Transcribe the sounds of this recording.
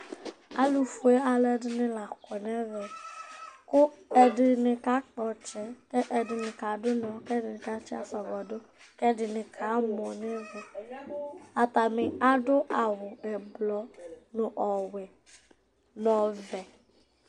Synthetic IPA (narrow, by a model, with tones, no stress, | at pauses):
a˦lu˨fu˨e˦a˨lɛ˦dɪ˦nɪ̃˦la˨kɔ˨nɛ̃˦vɛ˨ | kʊ˦ɛ˨dɪ˨nɪ̃˨ka˨˦k͡pɔ˨t͡ʃɛ˦kɛ˦ʔe˨dɪ˨nɪ̃˨ka˨dʊ˦nɔ̃˨˦kɛ˦dɪ˨nɪ̃˨ka˦t͡ʃɛ˦a˦sɔ˨vɔ˨do˦ | kɛ˦dɪ˨nɪ̃˨kʰa˨˦mɔ̃˨nɛ̃˦vɛ˨ | a˨t̪a˨mɪ̃˨a˦ɖo˦ʔa˨wʊ˨ɛ˨blɔ˨nʊ̃˨ʔɔ˨wɛ˨ | nɔ̃˨vɛ˨